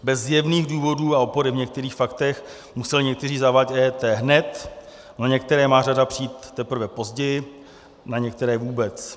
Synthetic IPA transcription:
bɛzjɛvniːɣduːvo̞duːao̞po̞ɾɪvɲɛk̚t̪ɛɾiːxfakt̪ɛx | musɛlɪɲɛk̚t̪ɛriːzavacɛːt̪ɛːɦnɛt̪ | naɲɛk̚t̪ɛɾɛːmaːradapr̝̥iiːt̪t̪ːɛpɾ̩vɛpo̞zɟɛjɪ | naɲɛkt̪ɛɾɛːvuːbɛt͡s

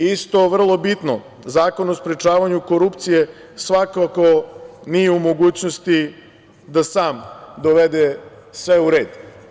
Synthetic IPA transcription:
ist̪o̞ʋr̩lˠo̞bit̪no̞̰ | zaːko̞nospɾet͡ʃaːʋaɲuko̞ɾupt̪sije̞ | sʋakakonijeumo̞ɡuːt͡ɕnost̪i | d̪asaːmd̪o̞ʋed̪esʋeuɾe̞ːd̪

